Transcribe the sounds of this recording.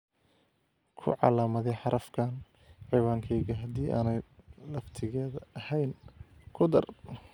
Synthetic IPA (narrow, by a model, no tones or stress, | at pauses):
kʰʊ̰ʕɑ̰laːmɐðɛjħɑɾʔɐfkʰaːn | ʕiwaːŋkʰɛjɣɐɦɐd̪iːʔa̰ːnɛjlɐft̪ʰɪɣɛːðɐɐhɛjnkʰʊd̪ɐr